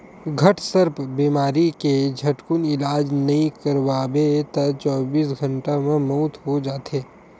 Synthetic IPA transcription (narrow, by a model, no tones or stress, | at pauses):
ɡʱɐʈsəɾpbiːmaːɾiked͡ʒʱɐʈkʊnɪlaːd͡ʒnɐɦĩkɐɾʋaːbet̪ɐt͡ʃɔːbiːs̬ɡʱɐ̃ɳʈamẽmɔʊt̪ɦod͡ʒaːt̪ʰeː